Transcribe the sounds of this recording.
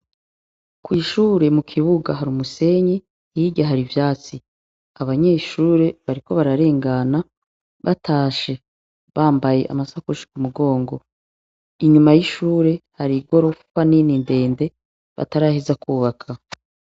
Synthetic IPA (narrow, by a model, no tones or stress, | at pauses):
kwiːʃuːɾe̞mukʰiβuɡaɦaɾumuse̞ɲi | iɟaɦaɾivjaːt͡si | aβaɲe̞ːʃuːɾe̞βaɾiko̞βaɾaɾe̞ːŋɡana | βataːʃe̞ | βaːmbaje̞ʔa̰masakuʃi̥kumuɡo̞ːŋɡo̞ | iɲumajiʃuːɾe̞haɾiɡoɾofanininde̞ːnde̞ | βa̰taɾaːhezakuːβakʰa